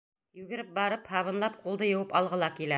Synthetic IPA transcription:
jʉɡɘ̆ɾɘp̚bɑɾɤphɑβɤ̆nlˠɑp̚qulˠd̪ɤjɤ̆wɤpɑlˠʁɤ̆lˠɑkilæ

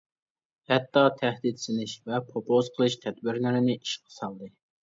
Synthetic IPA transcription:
hɛt̪ːɑt̪ʰæhd̪it̪sɪlɪʃvɛpʰɾopʰozqʰəlˠɨʃt̪ʰɛd̪̚bɪɾlɪɾɪnɪʔiʃqʰə̥sɑlˠd̪ɨ

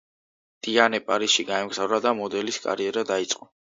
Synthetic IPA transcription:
d̪̥ʼianɛpʼaɾisʃiɡaɛmɡzavɾad̪amɔd̪ɛliskʼa̰ɾiɛɾad̪ait̪sʼqʼɔ

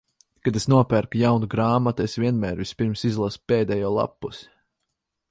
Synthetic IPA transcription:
kad̪esnuɔpæɾkjawnuɡɾaːmat̪esvʲiɛnmæːɾvispʲiɾmsizlˠaspeːd̪ɛjɔːlˠa̰pːusi̥

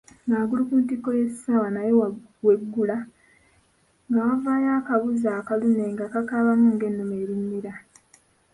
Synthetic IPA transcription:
naːɡulukuːntikːojesi̥sawanaje | we̞ɡːula | ŋavaːjaːkaβuzaːkaluneːŋɡakakaβamuŋɡe̞nːumeːɾiɲːiɾa

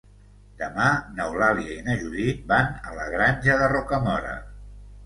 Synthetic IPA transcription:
d̪əmanəwlaliəinəʒuðibanələɣɾanʲʒəðərɔkəmɔɾə̰

